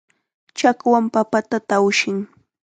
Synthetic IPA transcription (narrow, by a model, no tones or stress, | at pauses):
t͡ʃakwampapat̪at̪awʃɪŋ